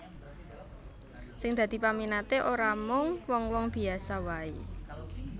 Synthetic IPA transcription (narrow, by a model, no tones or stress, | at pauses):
sɪŋd̪̥ä̤d̪̥i̤paminat̪eʔoɾamʊŋwɔŋwɔŋb̥i̤asawai